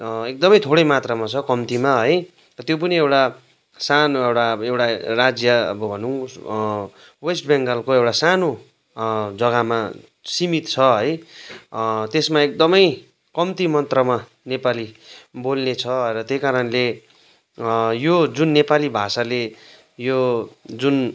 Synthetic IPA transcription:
ek̚d̪ʌmʌjt̪ʰoɽʌjmat̪rʌmat͡sʰʌkʌmt̪imaɦʌj | rʌt̪jop̬ʌniewʈa | sanoewʈaewʈarad͡zjʌʌ̰bʌbʱʌnu | wesʈbeŋɡʌlkoewʈasano | d͡zʌɡama | simit̪t͡sʰʌɦʌj | t̪esmaek̚d̪ʌmʌj | kʌmt̪imʌnt̪rʌma | nepalibolnet͡sʰʌrʌt̪jejkaɾʌnle | jod͡zunːepalibʱasale | jod͡zun

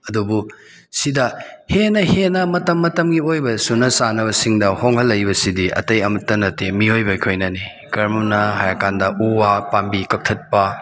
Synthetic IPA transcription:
ɐdubu | sidɐhenɐhenɐmɐtɐmːɐtɐmɡiojbɐsunɐsanɐβɐsiŋdɐhoŋhɐlːɐjbɐsidiɐ̰tɐjɐmɐtːɐnɐtemiojbɐikʰojnɐni | kɐɾmnɐɦajɐkandɐʔuwapambikɐk̚tʰɐt̚pɐ

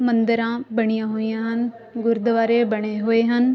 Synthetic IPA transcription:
mɐ̃nd̪əɾãːbɐɽ̃ijãːɦoijãːɦən | ɡʊɾd̪ʋaːɾebɐɽ̃eɦoːeːɦən

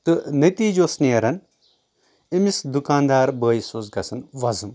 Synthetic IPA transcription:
t̪ɨnɐt̪iːd͡ʒoːsnijɐɾɐn | imisd̪ukaːnd̪aːɾbəːjsoːzɡɐsɐnʋɐzɨm

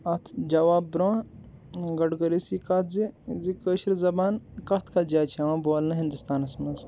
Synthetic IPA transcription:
ɐt̪ʰd͡ʒɐʋaːbbɾõː | ɡɐɖɡəɾisikat̪zizikəːʃɾzɐbaːnkɐt̪ʰkʰad͡ʒaːt͡ʃʰeʋãːboːlnɐɦĩnd̪ust̪aːnɐsmɐz

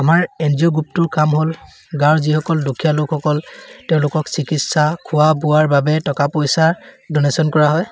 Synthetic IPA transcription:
amaɹɛnziɔɡup̚tʊɹkamɦol | ɡaɹzihɔkɔldukʰijalokxɔkɔltɛʊ̃lʊkɔksikitsakʰʊwabʊwaɹbabɛtɔkapojsadɔnesɔnkɔɹaɦɔj

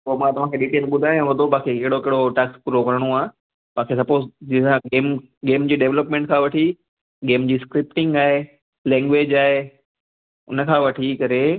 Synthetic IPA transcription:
soːmãt̪ɐʋ̤ãkʰeɗiːʈeːlɓʊd̪ʱaːj̃ʋɐd̪ʱopaːkʰekeːɦɪɽokeɦɪɽoʈɛːkspʊɾokɐɾəɽ̃oaːɦe | paːkʰes̬ɐpoːzd͡ʑiãɡeːm | ɡeːmd͡ʑiːɖeʋləpmẽːɳʈ̚kʰãʋɐʈʰi | ɡeːmd͡ʑiːskɾɪpʈɪ̃ŋɡaːɦe | lɛ̃ːŋɡʋeːd͡ʑaːɦe | ʊ̰nə̆kʰãʋɐʈʰikɐɾe

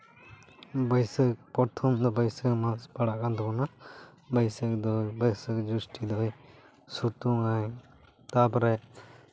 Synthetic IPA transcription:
bəjsək̚pɔt̪ʰɔmd̪ɔbəjsəkmaspaɽakãnt̪ɔkɔna | bəjsək̚d̪ɔbəjsəkd͡ʒusʈid̪ɔj | sut̪uŋaj | t̪apɔɾɛ

